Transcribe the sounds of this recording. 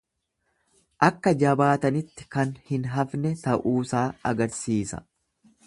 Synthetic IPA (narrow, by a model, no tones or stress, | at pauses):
ʔɐkːɐd͡ʒɐbaːt̪ɐnɪt̪ːɪ̥kɐnhɪnɦɐfnɛt̪ɐʔuːsaːɐ̰ɡɐɾsiːsɐ̰